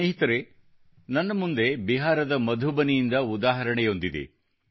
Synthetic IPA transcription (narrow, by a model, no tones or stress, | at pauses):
eɦit̪ɐɾe | nɐnːɐmund̪e̞biɦaːɾɐd̪ɐmɐd̪ʱubɐnijind̪ɐud̪aːɦɐɾɐɳɛjo̞nd̪id̪ḛ